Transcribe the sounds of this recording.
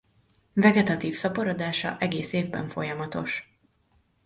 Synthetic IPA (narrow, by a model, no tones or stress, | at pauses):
vɛɡɛt̪ɒt̪iːfsɒpɒɾod̪aːʃɒ̰ʔɛɡeːseːvbɛ̰ɱfo̞jɒmɒt̪o̞̰ʃ